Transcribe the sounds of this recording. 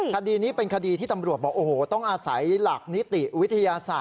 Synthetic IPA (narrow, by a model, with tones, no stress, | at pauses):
kʰa˧diː˧niː˦˥pe˧nkʰa˧diː˧t̪ʰiː˥˩t̪a˧mɾu˨˩ət̪̚bɔː˨˩ʔoː˧˩hoː˩˦t̪ɔ˥˩ŋʔaː˧sa˩˦jla˨˩k̚ni˦˥t̪i˨˩wi˦˥t̪ʰːa˧jaː˧saː˨˩